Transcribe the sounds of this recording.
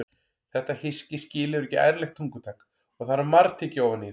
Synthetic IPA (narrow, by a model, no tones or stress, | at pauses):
θɛht̪ahɪscɪscɪːlɪʏɾɛcːɪʔa̰jɾlɛxt̪ʰuŋkʏt̪ʰak | ɔɣθaɾamaɾt̪ʰɪcowvani